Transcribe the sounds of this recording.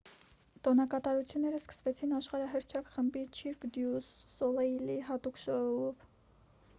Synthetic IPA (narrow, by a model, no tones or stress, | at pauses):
t̪ɔnɑkɑt̪ɑɾut͡sʰjunːɛɾəskə̥svɛt͡sʰinɑʃχɑɾɑɦəɾt͡ʃʰɑkχəmbit͡ʃʰiɾkd̪jusːɔlɛiliɦɑt̪ukʃɔɔv